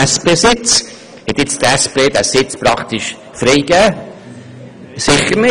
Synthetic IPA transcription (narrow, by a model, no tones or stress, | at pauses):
ɛspeːsɪt͡s | hɛt̪ɪt͡st̪ɛspeːd̪æsɪt͡spɾɑkt̪iʃ | fɾiɪɡæː | sɪχːəɾnɪ